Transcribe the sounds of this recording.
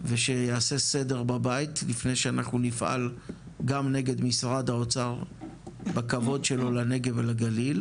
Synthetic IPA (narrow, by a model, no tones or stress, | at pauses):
veʃe̞jaːse̞se̞de̞ʁbabajitlifne̞jʃeanaχnunifʔa̰l | ɡamne̞ɡe̞d̪misʁad̪aot͡saʁ | bakavo̞dʃe̞lo̞lane̞ɡevelaɡalil